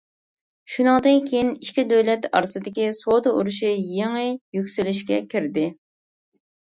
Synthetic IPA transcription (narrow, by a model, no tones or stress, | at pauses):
ʃunɨŋd̪ɨnkʲʰejiniʃkʲid̪øwlɛt̪ʰɑ̰ɾsɨd̪ɪkʲisod̪ɨʔuɾuʃijeŋɨjykʲsylɪʃkʲɛkʲʰiɾd̪ɪ